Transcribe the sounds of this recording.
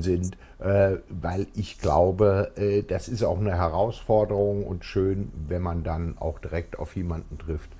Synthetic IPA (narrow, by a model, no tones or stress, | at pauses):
zɪnt | ʔɛːvaɪlɪçɡ̥la̰ʊbəʔɛːd̥asɪsta̰ʊxnəɦɛʁaʊsfɔɐdəʁʊŋʊ̰ntʃøːnvɛnmandana̰ʊxd̥iʁɛk̚ta̰ʊfjeːmandn̩tʁ̥ɪft